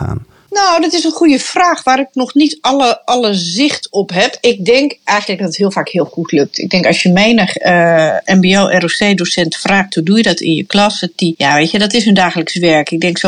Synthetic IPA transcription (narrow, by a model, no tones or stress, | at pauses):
a̰ːn | nowdɔtɪsənχujəfraːxʋaːɾɪk̚nɔxnitɔləʔɔləzɪxtɔpɦɛpɪk̚dɪŋkɛjxəntləkɡdɔtəthiəfaːkhiəlˠxutʰløk̚tʰɪ̰ɡ̚dɛŋkɔsjəmeːnəxəʔɛmbioːʔɛroseːdosɛntfraːxt̚hudujədɔtʰɪ̰njə̰klɔsətijaʋeːtjədɔtɪsøndaːxələksʋɛɹkɪɡ̚dɛŋkso